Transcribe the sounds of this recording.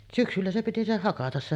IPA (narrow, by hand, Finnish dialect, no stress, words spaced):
syksylːæ se piti se hɑkɑtɑs se